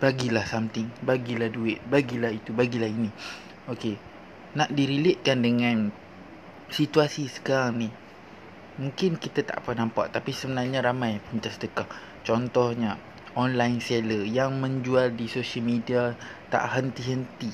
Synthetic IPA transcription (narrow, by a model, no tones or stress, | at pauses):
b̥aɡilahsamt̪ɪŋbaɡilahduɪt̪̚baɡilahit̪ubaɡilahini | oke | naʔdiɾileʔ̪̚kandəŋãn | sit̪uasisə̥kaɾaŋnih | mũŋkɪnkit̪at̪a̰ʔpənãmpa̰ʔt̪apisəbənarɲaɾamajpəmt̪asədəkah | t͡ʃɔnt̪ɔhɲa | ʔɔnlajnseləjaŋmə̃ɲd͡ʒualdisoʃəlmidiat̪a̰ʔɦənt̪iɦənt̪i